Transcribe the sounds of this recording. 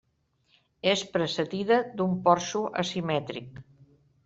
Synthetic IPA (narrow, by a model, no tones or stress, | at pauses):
espɾəsəðiðəd̪umpɔɾsuʔə̰simɛt̪ɾḭk̚